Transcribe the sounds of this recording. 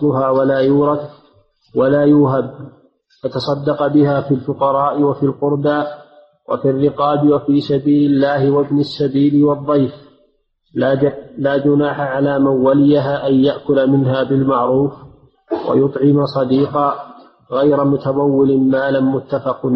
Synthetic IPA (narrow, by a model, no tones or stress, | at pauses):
ɑˤlʊɦaːwalaːjuːɾˤɑd̪ | walaːjʊːɦab | fat̪ɑsˤɑd̪ːɑqɑbɪhaːfiːlfʊqɑɾˤɑːʔɪwafilqʊɾbaː | wʔa̰firːɪqɑːbɪwafiːsabiːlɪlːaːhɪwabnasːabiːlɪwɑðˤːɑjf | laːd͡ʒʊnaːħaʕalaːmanwalɪjaɦaːʔanjaʔkʊlamɪnɦaːbɪlmaʕɾuːf | wʔa̰jʊt̪ˤʕɪmasˤɑd̪iːqɑ | ɣajɾamʊt̪amawːɪlɪmaːlanmʊt̪ːafɑqn